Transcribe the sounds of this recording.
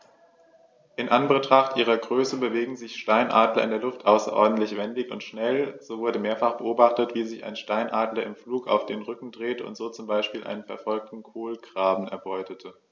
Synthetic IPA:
ʔɪnʔanbətʁ̥aχtʔiːʁ̞ɐɡʁøːsəbəveːɡŋ̩zɪçʃtaɪnʔa̰ːdlɐʔɪ̰ndeːɐlʊftʔaʊsɐ̰ʔɔ̰ɐdn̩tlɪçv̥ɛndɪçʊ̰ntʃnɛlz̥oːvʊɐdəmeːɐfaχb̥əʔoːbaχtətv̥iːzɪça̰ɪnʃtaɪnʔaːdlɐɪmfluːka̰ʊfd̥eːnʁʏkŋ̩dʁeːtəʊ̰ntz̥oːt͡sʊmbaɪʃpiːlʔa̰ɪnənfɛɐfɔlk̚tn̩kʰoːlɡʁ̥aːbm̩ɛ̰ɐbɔʏtətʰə

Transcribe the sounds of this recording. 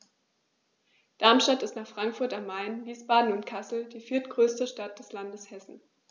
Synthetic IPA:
d̥aɐmʃtatɪstnaːχfʁ̥aŋkfʊɐtamːaɪnviːsb̥aːdn̩ʊntkʰasl̩d̥iːfɪɐtɡ̥ʁøːstəʃtat̚d̥ɛslandəshɛsn̩

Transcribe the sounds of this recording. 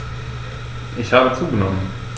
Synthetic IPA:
ʔɪçhaːbət͡suːɡənɔmən

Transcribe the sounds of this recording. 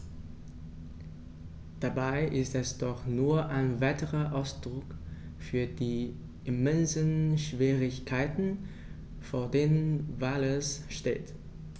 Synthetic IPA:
d̥abaɪʔɪstɛsd̥ɔχnuːɐʔaɪnvaɪtəʁɐʔaʊsd̥ʁʊk | fyːɐdiː | ʔɪmɛnzənʃv̥iːʁɪçkʰaɪtn̩ | foːɐdeːnənvaːlɛsʃtḛːt

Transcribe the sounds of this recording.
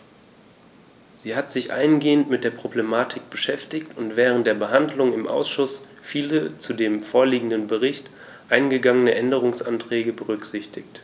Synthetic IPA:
z̥iːɦatz̥ɪçʔa̰ɪənɡeːəntmɪt̚d̥eːɐpʁ̥oblemaːtʰɪk̚b̥əʃɛftɪçtʊntv̥ɛːʁ̞ən̩t̚d̥eːɐbəɦandlʊŋɪmʔa̰ʊsʃʊs | fiːlət͡sudeːmfoːɐliːɡŋ̩dənbəʁɪçt | ʔaɪnɡəɡaŋənəʔɛndəʁ̞ʊŋsʔa̰ntʁ̥ɛːɡəbəʁʏkz̥ɪçtɪçt

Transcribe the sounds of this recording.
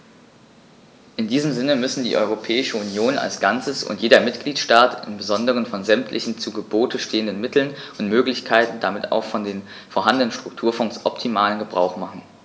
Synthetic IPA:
ʔɪndiːzəmzɪnəmʏsn̩dḭːʔɔ̰ʏʁ̞opʰɛːɪʃəunjoːna̰lsɡ̥ant͡səsʊ̰ntjeːdɐmɪtɡ̥liːtʃtaːtʰɪ̰mbəzɔndəʁ̞ənfɔnzɛmtʰlʔɪçn̩t͡suɡəboːtəʃteːəndənmɪtl̩nʔʊntmøːklɪçkʰaɪtn̩damɪtʰa̰ʊxfɔndeːn | foːɐɦandənənʃtʁ̥ʊk̚tʰuːɐfɔŋsʔɔptʰimaːlənɡəbʁaʊxmaχn̩

